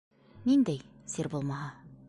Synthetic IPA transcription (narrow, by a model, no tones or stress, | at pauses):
nind̪æj | siɾbulˠmɑɦɑ